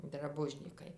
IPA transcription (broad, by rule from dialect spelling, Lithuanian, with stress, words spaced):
drɐˈbʊʒʲnʲiːkɐɪ